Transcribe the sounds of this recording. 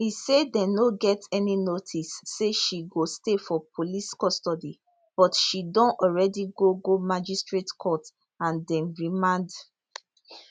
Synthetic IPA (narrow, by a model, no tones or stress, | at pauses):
hisedɛ̃noɡɛtɛninotʰisːeʃiɡostefɔpʰoliskɔstɔdi | b̥ɔtʃidɔ̃nɔlɹɛdiɡoɡomad͡ʒistɹetkʰɔt | ãndɛ̃nɹimãnd